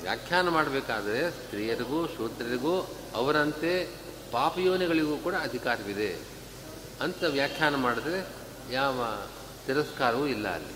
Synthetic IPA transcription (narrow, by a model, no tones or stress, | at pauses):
ʋja̰ːkʰjaːnɐmaːɽɐbeːkaːd̪ɐɾe̞st̪ɾiːjɐɾiɡuːʃuːt̪ɾɐɾiɡuː | ɐʋɐɾɐnt̪e | paːpɐjuːʋniɡɐɭiɡuːkuːɽɐːd̪ʱikaːɾɐʋid̪e̞ | ɐnt̪ɐʋjaːkʰːjaːnɐmaːɽud̪ɐɾe | jaːʋɐ | t̪iɾɐskaːɾɐʋuːilːɐ̰ːlːḭ